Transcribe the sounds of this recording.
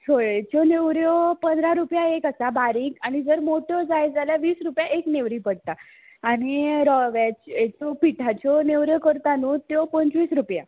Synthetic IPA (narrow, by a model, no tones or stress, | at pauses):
tʰoɭet͡ɕɔneʋɾjɔpənd̪ɾaɾupjaekasabaɾiːkañid͡zəɾmoʈjɔd͡zajd͡zaljaʋiːsɾupjaʔekneʋɾiːpəɽ̚t̪aː | ɽ̃iɾɔʋat͡ɕet͡sɔpiʈʰat͡ɕɔneʋɾjɔkəɾt̪anut̪jɔpənt͡sʋiːsɾupja̰